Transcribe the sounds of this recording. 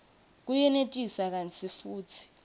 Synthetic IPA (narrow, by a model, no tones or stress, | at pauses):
k̬ujɛnetʼisak̬ant͡sʰifuːt͡sʰi̥